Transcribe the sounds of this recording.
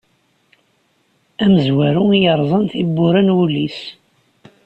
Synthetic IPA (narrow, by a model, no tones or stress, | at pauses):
æməzwæɾuijəɾˤzˤɑnt̪ibːʊɾænwulːis